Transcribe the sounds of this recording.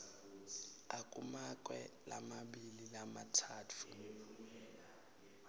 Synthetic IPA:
akʼumak̬ʼwɛla̰maɓililamatʰaːtʰu

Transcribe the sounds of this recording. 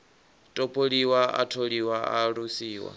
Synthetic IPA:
tʼopʼoliwaa̰tʰoɺiwaaɺusiːwa̰

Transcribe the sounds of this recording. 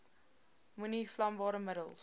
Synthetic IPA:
muniflɐmbɑːɾəmədəlˠs

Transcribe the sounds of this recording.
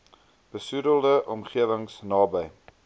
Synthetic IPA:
b̥əsudəlˠdəʔɔmχiəvəŋsnɑːbəj

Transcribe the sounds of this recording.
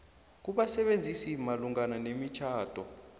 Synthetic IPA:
k̬uɓasɛɓend͡zʱisimaluŋananemit͡ʃʰaːd̥ʱɔ

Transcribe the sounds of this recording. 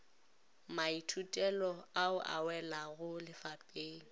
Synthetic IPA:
maitʰutʼɛlɔaʊʔa̰wɛlaɣʊlɪfapʼeːŋ̩

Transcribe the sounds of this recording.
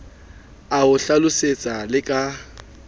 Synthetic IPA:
aʊɬalʊset͡sʼalɪkʼa

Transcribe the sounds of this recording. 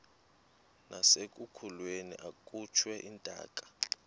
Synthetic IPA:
nasekʼukʰulwenḭʔakʼut͡ʃʰwɛʔintʼa̰ːkʼḁ

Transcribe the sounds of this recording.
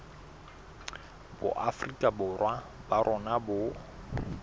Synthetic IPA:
bʊ̰ʔafrikʼabʊrwabarʔɔnabʊ

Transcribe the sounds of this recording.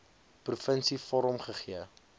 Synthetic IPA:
prufənsifɔɾəmχəχiə

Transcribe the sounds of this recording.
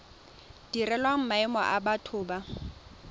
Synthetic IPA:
d̥irɛlwaŋ̩maɛmɔ̰ʔa̰batʰʊːba

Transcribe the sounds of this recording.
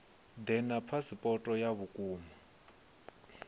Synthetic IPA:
d̪ɛnapʰasipʼɔtʼɔjaβukʼuːma

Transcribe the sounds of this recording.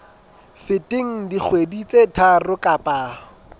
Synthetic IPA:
fɪtʼɪŋ̩dik͡xʰwedit͡sʼetʰarʊkʼapʼaː

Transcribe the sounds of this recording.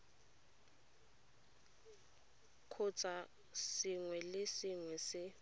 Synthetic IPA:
kʰʊt͡sʼa | sɪŋwɛlɪsɪŋwɛsɪ

